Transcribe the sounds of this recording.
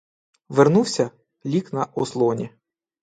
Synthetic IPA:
ʋernuwsʲɐ | lʲiknɐʔɔslˠɔnʲi

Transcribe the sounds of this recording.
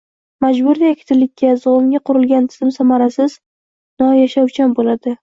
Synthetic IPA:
mad͡ʒbʊɾd̪akʰʲɪ̥t̪ʰɪlːɪkʲːazʊʊmɡʲaqʰʊɾɪlɡʲant̪ʰɪ̥z̥ɪmsamaɾasɪz | nɒjaʃawt͡ʃʰanbolad̪ɪ

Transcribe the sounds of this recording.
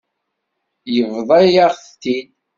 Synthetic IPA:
jəvðˤɑjaʁθt̪ːid̪

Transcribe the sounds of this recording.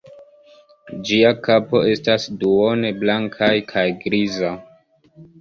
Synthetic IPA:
d͡ʒiakapo̞e̞stasduone̞blaŋkʰajkʰajɡɾiza

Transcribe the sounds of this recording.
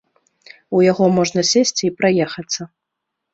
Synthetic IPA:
ujaɣɔmɔʐnɐsʲesʲt͡sʲipɾajɛxɐt̪sːɐ

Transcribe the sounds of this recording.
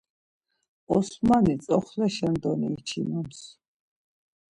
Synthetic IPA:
ɔsmanit̪t͡sʼɔχlɛʃɛnd̪ɔnḭːt͡ʃʰinɔns

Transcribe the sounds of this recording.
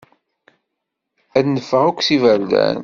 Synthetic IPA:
æðnəfəʁʊkʷːsivæld̪æ̰n

